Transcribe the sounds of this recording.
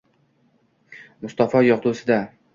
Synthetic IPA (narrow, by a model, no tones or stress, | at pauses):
mʊst̪ɒfɒjɒqt̪usɪd̪a